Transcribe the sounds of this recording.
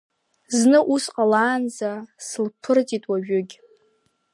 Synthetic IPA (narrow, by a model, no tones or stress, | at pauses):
znɨʔusqʼalaːnd͡zasɨlpʰɨrt͡sʼitʼwaʒᶣʊɡʲ